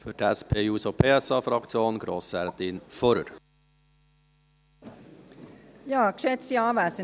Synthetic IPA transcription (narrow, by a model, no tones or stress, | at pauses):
fʏɾdɛspʰeːjuːsopʰeːɛsɑːfɾɑkt͡sjoːnɡɾoːsæɾt̪ɪnfɔɾə̰ɾ | jɑːkʃɛt̪siɑːʋæːsə